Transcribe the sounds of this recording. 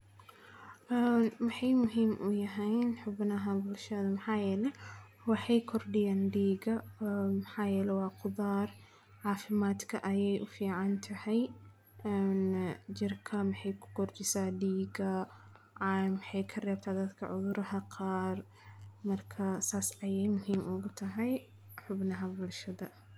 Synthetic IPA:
ʔɛːnmɐħɑjmʊɦiːmʔʊ̰jɐɦɛjnħʊbnɐɦɐbʊlʃɐðɐmɪħaːjɛːlɛ | wɑħɑjkʰɔrɖɪjaːnɖiːɡɐmɐħaːjɛːlɛwɑːqʊðaːr | ʕaːfɪmaːd̪kʰɐʔɐjɛjʔʊfiːʕɑnt̪ʰɐhɛj | ɛːnd͡ʒɪrkʰɐmɪħɑjkʰʊ̥kʰɔrt͡ʃɪsaːɖiːɡɐ | ʕmħɛjkʰɐrɛːb̚t̪ʰaːd̪ɐd̪kʰɐ̰ʕʊðʊɾʔɐhɐqʰɑːr | mɐrkʰɐsaːsʕɑjɛjmʊɦiːmʊɣʊt̪ʰɐɦɛj | ħʊbnɐɦɐbʊlʃɐðɐ

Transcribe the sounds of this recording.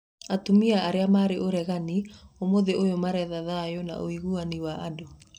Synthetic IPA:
atumiaaɾeamaːɾeʔoɾɛɣaniomoðeʔojomaɾɛðaðajɔna̰ʔoiɣuaniwaʔado

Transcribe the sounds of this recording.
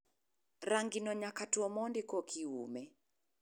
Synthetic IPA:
raŋɡinɔɲakatuɔmɔndikɔkʰiṵmɛ

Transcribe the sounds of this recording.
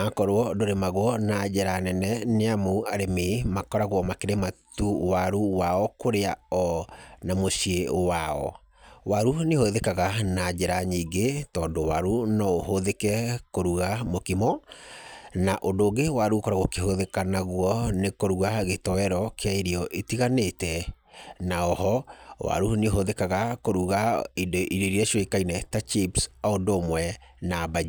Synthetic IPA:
akɔɾwɔdoɾemaɣwɔnad͡ʑɛɾanɛnɛneamoaɾememakɔɾaɣwɔmakeɾematuwaɾuwaɔkoɾeaɔnamoɕieowaɔ̰ | waɾunehoðekaɣanad͡ʑɛɾaɲiːɡetɔːndowaɾunɔohoðekɛkoɾuɣamokimɔ | naʔondoːɣewaɾukoɾaɣokehoðekanaɣwɔnekoɾuɣaɣetɔɛɾɔkeaiɾiɔʔetiɣanetɛ | naɔhɔwa̰ɾuneɦoðekaɣakoɾuɣaidoʔiɾeɾiaʃiɔikainɛtat͡ʃipsaondomwɛnabai

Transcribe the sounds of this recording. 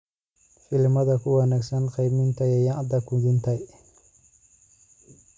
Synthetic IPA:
fɪlmɐðɐkʰʊwɐnaɡsɐnqijmɪnt̪ʰɐjɐjaʔd̪ɐkʰʊd̪ɪnt̪ʰɐj

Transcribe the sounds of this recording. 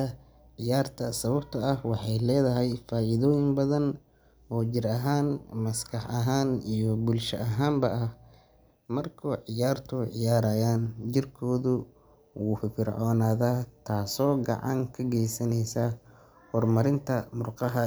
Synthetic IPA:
ɐ | ʕɪjaːrt̪ʰɐsɐβɐb̚t̪ʰɐɐhwɑħɑjlɛːðɐɦɛjfaːʔɪðɔːjɪŋbɐðɐn | ɔːt͡ʃɪɾɐɦaːnmɐskʰɑħɐɦaːnijɔbʊlʃɐʔɐɦaːmbɐʔɐh | mɐrkʰuʕɪjaːrt̪ʰʊʕɪjaːɾaːjaːnt͡ʃɪrkʰɔːðʊ | wuːffɪrʕɔːnaːðaːt̪ʰaːsɔːɡɑ̰ʕɑ̰ŋkʰɐɡɛjsɐnɛjsɐ | hɔrmɐɾɪnt̪ʰɐmʊrqɑɦɐ

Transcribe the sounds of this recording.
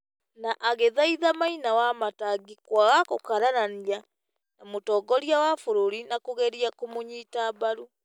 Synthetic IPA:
naʔaɣeðaiðamainawamataɡikwaɣakokaɾaɾania | namutɔːɡɔɾiawafuɾuɾinakuɣɛɾiakumuɲiːtaβaɾu

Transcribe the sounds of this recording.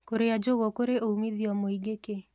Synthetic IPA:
koɾead͡ʒoɣokoɾeʔoumiðiɔmoiɡeke

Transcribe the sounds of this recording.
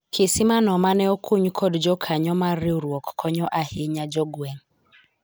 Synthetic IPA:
kɪsimanɔmanɛɔkʰuɲukʰɔdd͡ʒɔkʰaɲɔmaɾiuɾwɔkkʰɔɲɔʔahiɲad͡ʒɔɡwɛŋ

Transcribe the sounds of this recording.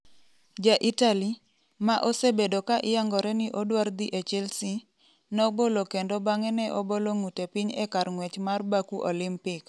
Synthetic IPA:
d͡ʒaʔitali | maʔosebedokaʔɪjaŋɡɔɾɛnɪʔodward̪iʔet͡ʃɛlsi | nɔbolokendobaŋɛnɛʔoboloŋutepiɲɛ̰kaɾŋwɛt͡ʃmarbakuʔolɪmpɪk

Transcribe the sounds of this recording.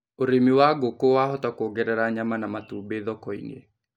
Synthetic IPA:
oɾemiwaɡokowaɦɔtakoɡɛɾɛɾaɲamanamatuːbeðɔkɔḭnḛ

